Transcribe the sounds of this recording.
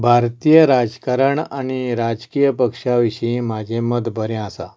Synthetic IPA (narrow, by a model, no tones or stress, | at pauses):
bʱaɾt̪ijəɾad͡zkaɾəɳaɽ̃iɾad͡zkijəpəkʂaʋiɕĩmad͡ʑʱẽməd̪bʱəɾẽasa̰